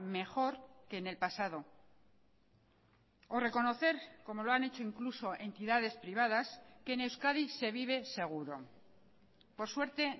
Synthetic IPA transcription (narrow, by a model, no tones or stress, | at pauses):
me̞xo̞ɾke̞ːne̞lpasað̞o̞ | ore̞ko̞no̞θe̞ɾko̞mo̞loanet͡ʃoiŋkluso̞ʔe̞nt̪iðað̞e̞spɾiβ̞að̞askene̞wskaðise̞β̞iβ̞e̞se̞ɣ̞uɾo̞̰ | po̞ɾswe̞ɾt̪e̞